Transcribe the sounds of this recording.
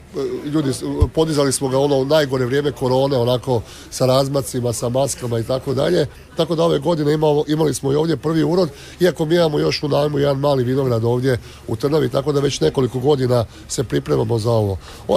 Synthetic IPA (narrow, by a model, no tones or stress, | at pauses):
ʎuːd̪ipo̞d̪izalismo̞ɡao̞no̞naːjɡo̞ɾe̞ʋɾjeːme̞ko̞ɾo̞ːne̞o̞nako̞ | saɾaːzmat̪simasamaskamait̪ako̞d̪a̰ʎe̞ | t̪ako̞d̪ao̞ʋe̞ɡo̞d̪ine̞mimalismoio̞ːʋd̪je̞pr̩ʋiuːɾo̞d̪ | iako̞miːimamo̞jo̞ʃunaːjmujed̪anmaːliʋino̞ɡɾad̪o̞ːʋd̪je̞ | ut̪r̩naʋit̪ako̞d̪aʋe̞t͡ɕne̞ko̞liko̞ɡo̞d̪ina | sepɾipɾe̞mamo̞zao̞ʋo̞